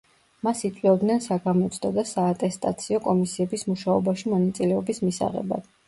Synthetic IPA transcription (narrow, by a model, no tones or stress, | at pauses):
masit̪sʼwiɔbd̪nɛnsaɡamɔt̪sʰd̪ɔd̪asaːt̪ʼɛst̪ʼa̰t̪sʰiɔkʼɔmisiɛbismuʃaɔbaʃimɔnat̪sʼilɛɔbismisa̰ʁɛ̰ba̰d̪̥